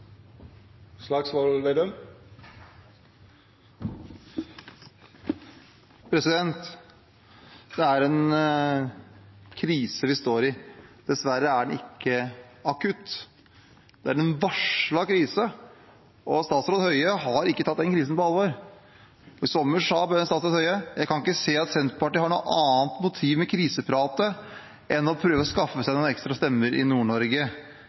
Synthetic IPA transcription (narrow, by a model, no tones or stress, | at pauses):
slɑɡsʋɔlʋed̪əm | pʰɾɛsɪd̪ɛnt̪ | d̪̥ɛæɾɛn | kʰɾiːsəʋɪst̪oːɾɪd̪̥ɛsʋæɾəæɖɛnɪkːəɑkʰʉt̪ː | d̪̥ɛæɾɛnʋɑʂɭɑkʰɾiːsə | ʔɔst̪ɑːt̪sɾoːd̪hœʏəɦɑɾɪkːət̪ʰɑt̪̚ːd̪ɛnkʰɾiːs̬n̩pɔɑlʋoːɾ | ɔɪsɔmːəʂɑːbɛɛnst̪ɑːt̪sɾoːd̪hœʏəjæɪkɑnɪkːəseːɑt̪sɛnt̪pʰɑʈihɑɳṵːəɑːnt̪mʊt̪ʰiːʋmɛkʰɾiːsəpʰɾɑːt̪ə | ʔɛnɔpʰɾøːʋəɾɔskɑfːəsæɪnɔːnɛkst̪ɾɑst̪ɛmːəɾʔɪ̰nuːɳɔɾɡə